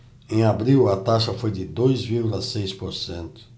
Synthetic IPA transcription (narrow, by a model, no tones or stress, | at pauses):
ẽj̃abɾiwɐt̪aʃɐfojd̪ɪd̪ojzviɾɡulɐsejspoɾsẽnt̪ʊ̥